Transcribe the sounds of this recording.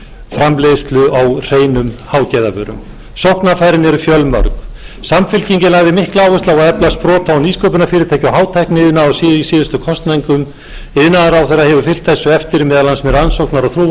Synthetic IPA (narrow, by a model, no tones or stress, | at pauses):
fɾamleːðst̪lʏawr̥eːjnʏmhaːwcɛjðavœ̰ːɾʏ̰m | sowhknafaːjɾɪnɛɾʏfjœlmœ̰ɾk | samfɪlciɲcɪlaɣðɪmɪhklaːwʏst̪awaðɛplaspɾɔːt̪aɔniːskœːp̬ʏnafɪːɾɪt̪ʰɛːjcawɦaːwt̪ʰajknɪɪðɪnaasiːðisɪːðʏst̪ʏkʰɔst̪najŋkʏm | ɪðnaðaɾawθɛjɾːaðhɛvʏfɪl̥t̪θɛsːʏɛft̪ɪɾmɛːðalansmɛɾansowknaɾawθɾuː